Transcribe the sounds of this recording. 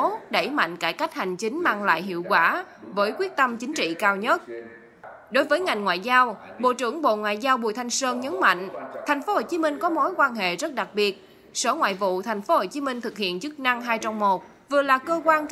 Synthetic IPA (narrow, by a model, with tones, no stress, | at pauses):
ɗə˧˩jma̰˧˨jŋ̟kaː˧˩jka˦˥jk̟̚ha˨˩jŋ̟t͡ɕi˨˦ŋ̟maː˧ŋla̰ː˧˨jɦḭ˧˨əwkwaː˧˩ | vəː˨˦jkwi˦˥ət̚t̪ə˧mt͡ɕï˨˦ŋ̟t͡ɕḭ˧˨kaː˧wɲə˦˥t̚ | ɗo˨˦jvəː˨˦jŋa˨˩jŋ̟ŋwa̰ː˧˨jzaː˧wɓo̰˧˨t͡ɕɨ˧˩əŋɓo̰˧˨ŋwa̰ː˧˨jzaː˧wɓu˨˧˩ət̪ʰa˧jŋ̟səː˧nɲə˨˦nma̰˧˨ŋ̟t̪ʰɛ˨˩j̟fo˨˦ho˨˩t͡ɕi˨˦mï˧ŋ̟kɔ˨˦mo˨˦jkwaː˧nɦḛ˧˨zə˦˥t̚ɗa˨˩k̚ɓi˨˩ət̚ | so˧˦ŋwa̰ː˧˨jvṵ˧˨t̪ʰa˨˩jŋ̟fo˨˦ho˨˩t͡ɕi˨˦mï˧ŋ̟t̪ʰɨ˨˩k̚hḭ˧˨ənt͡ɕɨ˦˥k̚na˧ŋɦaː˧jt͡ɕɔ˧wmmo˨˩t̚ | vɨ˨˩əlaː˨˩kəː˧kwaː˧n